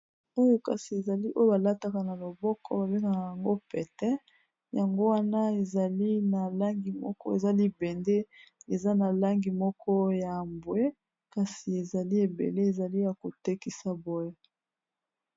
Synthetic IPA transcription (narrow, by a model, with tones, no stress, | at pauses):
o˦jo˦ka˨si˨e˨za˨li˦ʔo˦jo˦ba˨la˦ta˨ka˨na˨lo˨bɔ˦kʰɔ̰˦ba˨be˦ŋɡa˨a˨ja˨ŋɡo˦pɛ˨tɛ˦ | ja˨ŋɡo˦wa˦na˦e˨za˨li˦na˨la˦ŋɡi˨mɔ̰˦kɔ˦e˨za˦li˦bɛ˨nde˦e˨za˦na˨la˦ŋɡi˨mɔ˦kʰɔ˦ja˨mbwe˦ | ka˨si˨e˨za˨li˦e˨bḛ˨le˦e˨za˨li˦ja˨ko˨te˦ki˨sa˦bo˦je˦